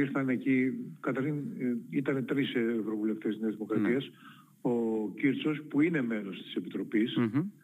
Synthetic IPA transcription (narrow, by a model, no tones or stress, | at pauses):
iɾθɐnecikɐt̪ɐɾçinit̪ɐne̞t̪ɾisvɾo̞vule̞ft̪ezneɐzðimo̞kɾɐt̪iɐs | ociɾt͡so̞spuine̞me̞no̞st̪i̥se̞pit̪ɾo̞pis